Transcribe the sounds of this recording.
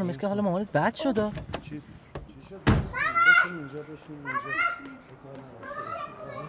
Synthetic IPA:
meskʰʲeɦɒːlɒmomɒnet̪̚bæd̪̥ʃod̪ɒː

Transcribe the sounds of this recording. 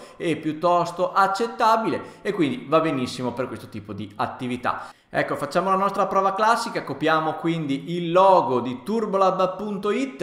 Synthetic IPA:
ɛpːjut̪ːɔst̪oʔat͡ʃːet̪ːabileekːwind̪ivabenisːimoperkwest̪ot̪iːpod̪iat̪ːivit̪a̰ | ɛ̰kːofat͡ʃːaːmolanɔst̪ɾapɾɔːvaklasːikakopɾjaːmokwind̪iʔilːɔːɡod̪it̪urbolad̪apːunt̪oit̪ː

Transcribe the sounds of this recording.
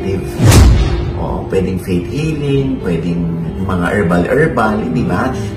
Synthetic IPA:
t̪ɪvs | ʔo̰ʔo̰pwɛːd̪ɪŋfejt̪hiːlɪŋpwɛːd̪ɪŋ | mɐŋa̰ʔɛɹbɐlʔɛɹbɐlɪnd̪iba

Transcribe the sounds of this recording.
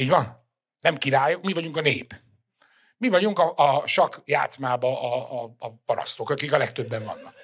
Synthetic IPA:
iːɟvɒn | nɛmkiɾaːjomivɒɟuŋkɒneːp | mivɒɟuŋkɒʔɒʃɒkja̰ːt̪smaːbɒʔːpɒɾɒ̰st̪o̞kɒkikɒlɛkt̪ø̞bːɛɱvɒ̰nːɒk̚

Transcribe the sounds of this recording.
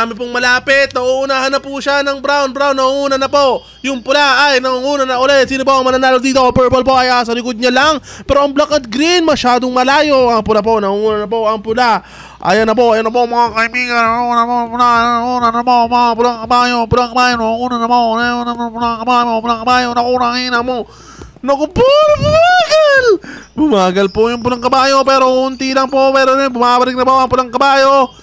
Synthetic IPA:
amɪpoŋmɐlaːpɪt̪̚nɐʔuʔʊnaːɦɐnɐpuʃanɐŋbɾawnbɾawnːɐŋuŋuːnɐnɐpo̞ʔ | jʊŋpʊlaajnɐuŋuːnɐnɐʔʊlɛjsiːnɐpoʔɐŋmɐnanaːlod̪iːt̪oʔɐpɛɹpolp̬o̞ʔɐjʔas̬ɐlɪkod̪̚ɲɐlaŋ | pɛːɾo̞ʔɐŋblakɐd̪̚ɡɾinmɐʃaːd̪o̞ŋmɐlaːjo̞ʔɐŋpʊlapo̞nɐŋuuːnɐnɐpo̞ʔɐŋpʊla | ʔa̰janɐp̬oʔajanɐp̬oŋmɐŋakɐɪbiːɡɐnɐunɐpopʊlanuːnanaɐpoɐpoɐŋpʊlaŋkɐbaːjopʊlaŋkɐbaːjomoŋuːnanɐponajuonampʊlaŋkɐbaːjmopʊlaŋkɐbaːjonɐʔunaŋinɐmo | nɐkʊboɾbʊmaːɡalbʊmaːɡɐlpojʊŋpʊlaŋkɐbaːjo̞pɛɾo̞kʊnt̪ilɐŋpopɛːɾonbʊmabɐlɪk̚nɐpoʔɐŋpʊlaŋkɐbaːjo̞

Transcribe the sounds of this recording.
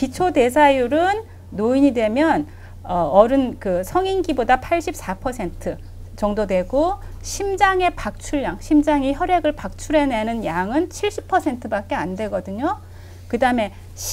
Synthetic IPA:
pit͡ɕʰode̞s̬ʰajuɾɯnː | oiɲidwe̞mjʌn | ʌʌɾɯnkɯsʰʌŋinɡibodapʰaɭɕ͈ip̚s͈apʰʌsʰe̞ntʰɯ | t͡ɕʌŋdodwe̞ɡo | ɕʰimd͡ʑaŋe̞pak̚t͡ɕʰuɭːjaŋɕʰimd͡ʑaŋiçjʌɾeɡɯɭpak̚t͡ɕʰuɾe̞ne̞nɯnjaŋɯnt͡ɕʰiɭɕ͈ʰipʰʌsʰe̞ntʰɯbak͈̚e̞andwe̞ɡʌdɯɲo | kɯdaɯme̞ | ɕ

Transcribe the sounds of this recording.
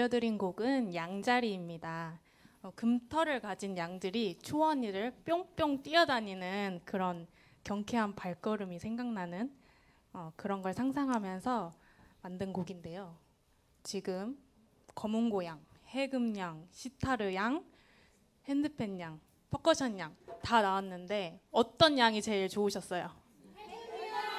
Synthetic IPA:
jʌdɯɾinɡoɡɯnjaŋd͡ʑaɾiːmɲida | kɯmtʰʌɾɯɭkad͡ʑinjaŋdɯɾit͡ɕʰuwʌɲiɾɯɭp͈joŋp͈joŋt͈iʌdaɲinɯnkɯɾʌn | kjʌŋkʰeɦanpaɭk͈ʌɾɯmisʰeŋɡaŋnanɯn | ʌkɯɾʌnɡʌɭsʰaŋsʰaŋɦamjʌnsʰʌ | mandɯnɡoɡinde̞jo | t͡ɕiɡɯm | kʌmuŋɡojaŋhe̞ɡɯmɲaŋɕʰitʰaɾɯjaŋ | he̞ndɯpʰe̞ɲɲaŋ | pʰʌk͈ʌɕʰʌɲjaŋtanawanːɯnde̞ʌt͈ʌnjaŋit͡ɕe̞ɭt͡ɕouɕʰʌs͈ʌjo

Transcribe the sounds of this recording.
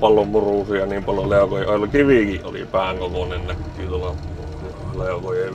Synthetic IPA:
pɑlːˑommuruˑsiɑniːmpɑljoleˑokojeʔojolkiʋikiʔʔo̰lḭpæːŋkokonennækːiːt̪uolɑ | leˑokoje

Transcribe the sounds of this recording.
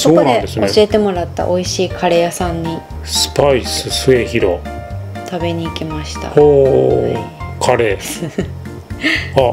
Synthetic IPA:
sooːkondãend̪e̞sɨnoeɕie̞t̪e̞mo̞ɾat̪ːa̰ʔo̞iɕiːkʰaɾe̞jasãɲ̟ːi | sɨ̥paisɨsɨe̞çiɾo̞̰ | t̪abe̞ɲ̟iːkʲimaɕi̥t̪a̰oː | kʰaɾe̞ː | a

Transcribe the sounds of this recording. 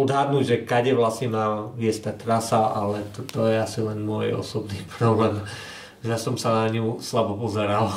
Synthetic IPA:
ɔd̪ɦad̪nuɟʒɛkaɟɛʋlasɲimaʋɪɛst̪at̪ɾasaalɛt̪ɔt̪ɔjɛasilɛnmɔjɔ̰sɔbniːpɾɔblɛːm | ʒɛsɔmsanaɲuslabɔpɔzɛɾal

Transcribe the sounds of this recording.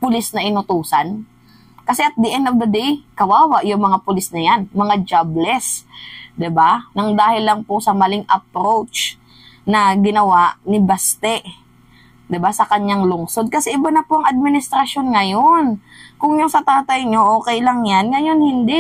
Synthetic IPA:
pʊlɪsnɐʔɪnʊt̪uːsan | kɐsɛʔɐt̪̚d̪ɪʔɛnobɐd̪ikɐwaːwaʔjʊŋmɐŋapʊlɪsnɐjanmɐŋad͡ʒablɛsd̪ɪbanɐŋd̪aːhɪlːɐŋposɐmɐlɪŋʔɐpɾowt͡ʃ | nɐɡɪnɐwaʔnɪbast̪ɛʔ | d̪ɪbasɐkɐɲːaŋlʊŋso̞d̪̚kɐsɛʔɪbanɐpoʔɐŋʔad̪̚mɪnɪst̪ɾɐʃjonŋɐjonkʊŋjʊnsɐt̪aːt̪ɐjɲoʔoːkɛjlɐŋjanŋɐjo̞nhɪnd̪ɪ

